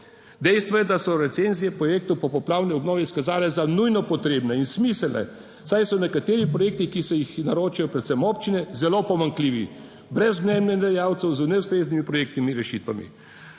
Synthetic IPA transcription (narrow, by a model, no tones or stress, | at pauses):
d̪ɛjst̪ʋɔjɛd̪asɔɾɛt̪senzijɛpɾɔjeːk̚t̪ɔwpɔpɔplaːwniɔbnɔːʋiiskazaːlɛzanujnɔpɔt̪ɾeːbnɛinsmiːsəlnɛ̰ | sajsɔnɛkat̪eːɾipɾɔjeːk̚t̪ixkisɛjixnaɾoːt͡ʃajɔpɾɛt̪sɛmɔːpt͡ʃinɛzɛlopɔmaŋkliːʋḭ | bɾɛzmnɛnnɛnd̪ɛjaːwt̪sɛwzunɛust̪ɾeːznimipɾɔjek̚t̪nimiɾɛʃit̪ʋamḭ